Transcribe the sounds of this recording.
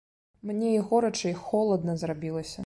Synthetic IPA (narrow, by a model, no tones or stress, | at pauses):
mnʲɛiɣɔɾɐt͡ʂɐixɔlˠɐd̪nɐzrabʲilˠɐsʲɐ